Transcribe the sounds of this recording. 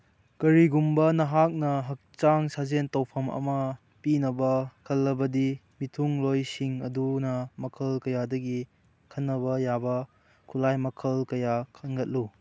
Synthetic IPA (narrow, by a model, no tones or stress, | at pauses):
kɐɾiɡumbɐnɐɦak̚nɐɦɐk̚t͡ʃaŋsazentɐwpʰɐmɐ̰mɐ | pinɐbɐkʰɐlːɐbɐdi | mitʰuŋlojsiŋɐ̰dunɐmɐkʰɐlkɐjadɐɡi | kʰɐnːɐbɐjabɐ | kʰulajmɐkʰɐlkɐjakʰɐnɡɐt̚lu